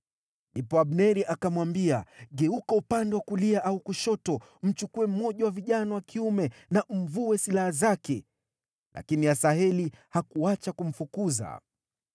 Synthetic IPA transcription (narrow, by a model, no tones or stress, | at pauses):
ndipɔaɓnɛɾiʔakamwambiaɠɛukaupandɛwakuliaʔaukuʃɔtɔ | m̩t͡ʃukuɛm̩mːɔʄawaviʄanawakiumɛnam̩vuwɛsilahazakɛ | lʔa̰kiniasaɦɛlihakuat͡ʃakum̩fukuza̰